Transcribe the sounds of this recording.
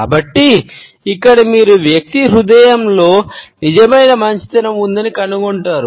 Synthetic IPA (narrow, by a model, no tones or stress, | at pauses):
kaːbɐʈːiː | kːɐɽɐmiːɾuʋjɐk̚t̪iɾud̪ɐjɐmlo̞ːnid͡ʒɐmɐjnɐmɐɲt͡ʃi̥t̪ɐnɐmund̪ɐnikɐnuɡoɳʈaːɾu